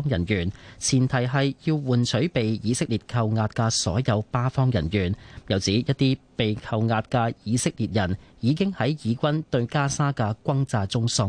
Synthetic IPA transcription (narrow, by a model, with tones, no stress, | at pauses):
ŋjɐ˨˩njyː˨˩nt͡sʰiː˨˩nt̪ʰɐ˨˩jɦɐ˨jjiː˧wwuː˨nt͡ʃʰɵ˨˥ɥpe˨jjiː˨˧sɪ˥k̚liː˨t̚kʰɐ˨˧wŋaː˧t̚kɐː˧sɔ̰ː˨˥jɐ˨˧wpaː˥fɔː˥ŋjɐ˨˩njyː˨˩njɐ˨wt͡siː˨˥jɐ˥t̚t̪iː˥pe˨jkʰɐ˧wŋaː˧t̚kɐː˧jiː˨˧sɪ˥k̚liː˨˩t̚jɐ˨˩njiː˨˧k̬ɪ˥ŋhɐ˨˥jjiː˨˧kʷɐ˥nt̪ɵ˧ɥkaː˥saː˥kɐː˧kʷɐ˥ŋt͡saː˧t͡sʊ˥ŋsɔ˥